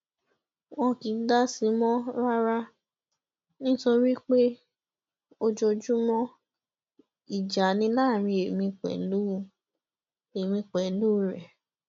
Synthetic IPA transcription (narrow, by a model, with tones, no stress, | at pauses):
wɔ̃˧ki˨˦da˦si˧˦mɔ̃˦ɾa˦ɾa˦ | nĩ˦to˧˦ɾi˦k͡pe˦ | o˧d͡ʒo˧d͡ʒu˦mɔ̃˦ | i˨d͡ʒa˨nĩ˧˦laː˦˨ɾ̃ĩ˧e˨mĩ˧k͡pɛ̰˨lu˨˦˨ | e˨mĩ˧k͡pɛ˨lu˦ɾɛ˨